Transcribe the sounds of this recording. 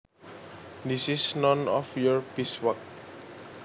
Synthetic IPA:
d̪isisnɔ̃nɔfjɔɹpiswak̚

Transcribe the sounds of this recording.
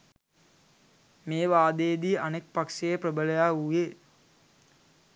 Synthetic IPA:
meːʋaːd̪eːd̪ianek̚pakʃejeprəbələjaːuje

